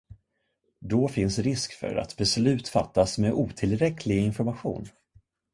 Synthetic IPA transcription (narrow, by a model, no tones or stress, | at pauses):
d̪ɔfɪnsɾɪskfœ̰ɾa̰t̪bɛslʉ̟ːt̪fa̰t̪ːasmeʔuːt̪ʰɪlɾɛkʰlɪɡɪnfɔɾmaɧṵːn